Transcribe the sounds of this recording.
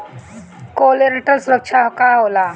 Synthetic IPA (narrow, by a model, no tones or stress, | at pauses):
koleɾeʈəlsuɾəkʂʰakaola